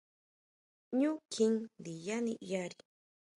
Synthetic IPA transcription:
ɲu˦kʰi˦ŋd̪i˨janḭ˦jaɾi

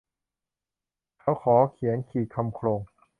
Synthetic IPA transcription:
k̪ʰa˦˥˩wkʰɔː˩˦kʰi˨˩˦ənkʰiː˨˩kʰa˧mkʰloː˧ŋ

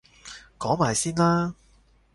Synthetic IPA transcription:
kɔː˨˥ŋmaː˨jsiː˥nlaː˥

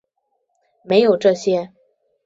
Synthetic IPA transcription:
me˧˥ɪjo˨˩ʊʈ͡ʂɤ˥˩ɕjɛ˥

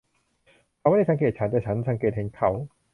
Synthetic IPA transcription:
a˧˥waː˥˨a˥˩sʰa˨˦ŋkeː˨˩t̪̚t͡ɕʰa˦˥nd̪aː˨˩t͡ɕʰa˦˥nsa˧˦ŋkeː˨˩t̪̚he˨˩˦nkʰa˧˦w

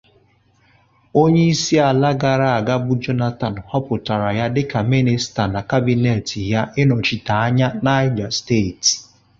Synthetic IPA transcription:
o˦ɲe˦i˦si˦a˨la˦ɡa˨ɾa˦˨a˨ɡa˦bʊ˦d͡ʒɔ˦na˦ta˨n˨hɔ˦pʊ˨ta˨ɾa˨ja˦dɪ˦ka˨mi˦nɪ˨sta˨na˨ka˦bi˨ne˨ti˨ja˦ʔɪ˦nɔ˨t͡ʃi˨ta˨a˦ɲa˦na˦ɪ˦d͡ʒa˨ste˦˨t

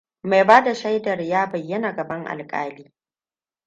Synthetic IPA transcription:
ma˨jbaː˦da˨ʃa˦jdɐ˨rjaː˦bɐ˨jːɐ˦na˨ɡɐ˨bɐ˦ŋʔa̰˨lkʼa̰ː˦liː˦

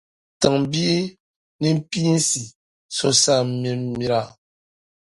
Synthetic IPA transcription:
tə˨ŋ˨bi˦e˦ | ni˦m̩˦pi˦n̩˦si˨ | so˦sa˦˨mi˦mi˦ɾa˦˨

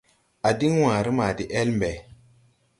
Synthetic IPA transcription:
a˨di˦ŋwã˨ɾi˦ma˨di˨ʔe˦lmbe˨

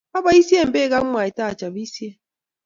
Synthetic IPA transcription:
a˦ba˨i˦si˦e˦m̩˨beː˦ɡa˦ŋ̩˦ŋʷa˨ɪ˨ta˦a˨t͡ʃa˨bi˦si˦e˦

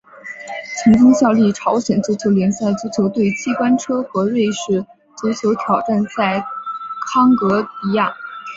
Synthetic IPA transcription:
t͡sʰɤ˧˥ŋt͡ɕi˥ŋɕjɑ˥˧ʊli˥˩ʈ͡ʂʰɑ˧˥ʊɕjɛ˨˩nt͡ɕʰu˧˥t͡ɕʰjo˧˥ʊljɛ˧˥nɕa˥˩ɪt͡su˥t͡ɕʰjo˧˥ʊt̪we˥˩ɪt͡ɕʰi˥˩kwa˥nʈ͡ʂʰɤ˥xɤ˧˥ɻe˥˧ɪʂɻ̩˥˩ | t͡su˧˥t͡ɕʰjo˧˥ʊt̪ʰjɑ˨˩ʊʈ͡ʂa˥˧nt͡sa˥˩ɪkʰɑ˥ŋkɤ˧˥i˧˥jɑ˥˩ŋ

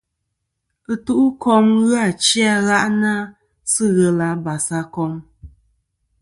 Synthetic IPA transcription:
ɨ˦tu˦ʔu˦kɔ˦mɣa˨t͡ʃi˦a˦ɣa˦ʔna˦ | sɨ˦ɣɛ˨la˨˦ba˨sa˦kɔ˧m

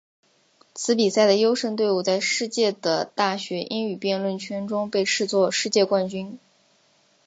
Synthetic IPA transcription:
t͡sʰɹ̩˧˥pi˨˩sa˥˩ɪd̪ə˩jo˥ʊʂə˥˧ŋt̪we˥˧ɪu˥˧t͡sa˥˧ɪʂɻ̩˥˧t͡ɕjɛ˥˩d̪ə˩t̪a˥˩ɕɥɛ˧˥ʔi˥ny˨˩pjɛ˥˧nlwə˥˩nt͡ɕʰɥɛ˥nʈ͡ʂʊ˥ŋpe˥˧ɪʈ͡ʂʰɻ̩˥˧t͡swɔ˥˧ʂɻ̩˥˧t͡ɕjɛ˥˧kwa˥˩nt͡ɕy˥n

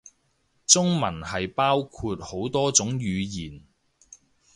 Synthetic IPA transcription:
t͡sʊ˥ŋmɐ˨˩nhɐ˨jpaː˥wkʰuː˧t̚ho˨˥wt̪ɔː˥t͡sʊ˨˥ŋjyː˨˧jiː˨˩n

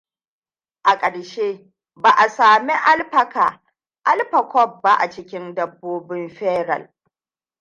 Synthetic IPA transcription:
ʔa˨kʼɐ˨ɽʃeː˦ | baː˨ʔa˨saː˨mi˦ʔa˦lɸɐ˨kaː˨ | ʔa˦lɸɐ˨kʷɔ˦b̚ːa˦ʔa̰˨t͡ʃɪ˦kʲɪ˦ndɐ˨bːoː˦bɪ˦mɸɛː˦ɾɐ̰˨l

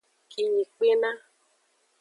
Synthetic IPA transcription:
ki˨ɲi˨k͡pe˦na˦

